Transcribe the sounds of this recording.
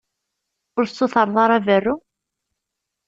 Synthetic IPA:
ʊɾsːʊθɑɾˤðˤɑɾˤævərːu

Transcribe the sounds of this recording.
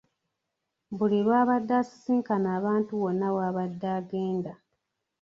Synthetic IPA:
βuliɾwaːβadːaːsi̥siːŋkanaːβaːntuβo̞nːawaːβadːaːɡeːnda

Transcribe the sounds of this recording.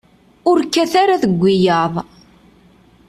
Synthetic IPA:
ʊɾkːæθaɾaðəɡʷːijɑðˤ

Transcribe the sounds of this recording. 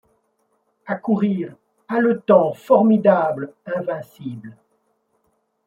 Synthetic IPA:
akuʁiʁ | alət̪ɑ̃fɔʁmid̪ablɛ̃vɛ̃sibl

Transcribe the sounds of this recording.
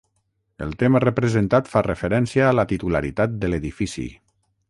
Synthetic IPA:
ə̰lˠt̪emərəpɾəzənt̪at̪farəfəɾɛnsijaːlət̪it̪ulaɾit̪at̪̚d̪əleðifisḭ

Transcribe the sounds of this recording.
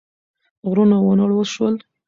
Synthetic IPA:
ɣɾunawənaɽwəʃwəl

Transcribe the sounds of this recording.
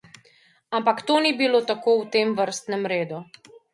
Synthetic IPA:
ampakt̪oːnibilot̪akoːwt̪eːmʋəɾst̪nɛmɾeːd̪u

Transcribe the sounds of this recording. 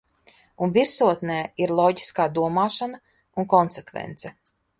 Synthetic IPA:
unviɾsuɔt̪nɛːiɾlˠɔɟi̥skaːd̪uɔmaːʃana | unkɔnsekvḛnt̪sɛ

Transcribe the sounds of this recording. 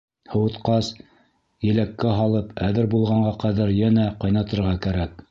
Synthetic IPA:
hɤ̆wɤ̆t̪qɑs | jɘ̆lækːæɦɑlˠɤpæðɘɾbulˠʁɑɴɢɑqæðæɾjænæqɑjnɑt̪ɤ̆ɾʁɑkæɾæk̚

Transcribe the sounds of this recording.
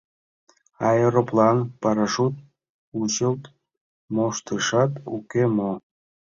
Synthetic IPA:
ɑjəɾoplɑnpɑɾɑʃut̪̚ | ut͡ɕəlt̪ | moʃt̪əʃɑt̪ṵkemo

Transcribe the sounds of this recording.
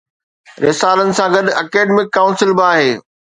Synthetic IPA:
ɾeːsaːlənɪ̆sãɡɐɗɐkeːɖmɪkːaːʊ̃nsɪlbaːɦeː

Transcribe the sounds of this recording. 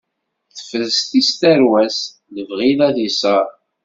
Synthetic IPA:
θə̥fəðst̪ist̪æɾwæs | nəvʁilæθisˤɑɾˤ

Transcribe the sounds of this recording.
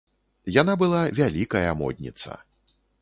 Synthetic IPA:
janabɨlˠavʲalʲikɐjɐ̰mɔ̰d̪ʲnʲḭt̪sɐ̰

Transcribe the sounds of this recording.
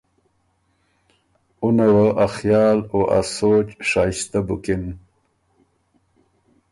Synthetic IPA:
unawaʔaxjɑːloʔa̰sot͡ʃʂɑst̪abʊkɪn

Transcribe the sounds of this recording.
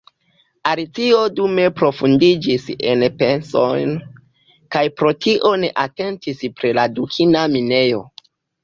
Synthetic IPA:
aɾit͡sio̞dume̞pɾo̞fundid͡ʒise̞̰npe̞nso̞jn | kajpɾo̞tʰiʔo̞ne̞ʔate̞ntispɾiladukʰinamine̞jo̞

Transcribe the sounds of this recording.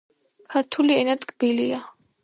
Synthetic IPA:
kʰaɾt̪ʰuliɛnat̪ʼkʼb̥ilia

